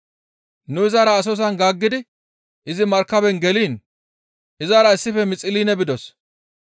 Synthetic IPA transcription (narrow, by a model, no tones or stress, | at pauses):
nʊɪzaːɾɐːs̬ɔs̬ɐnɡaːɡːɪd̪ɪ | ʔɪzɪmɐɾkːɐbɛnɡɛliːn | ʔɪzaːɾɐɪsːɪfɛmɪt͡sʼɪliːnɛbɪd̪ɔs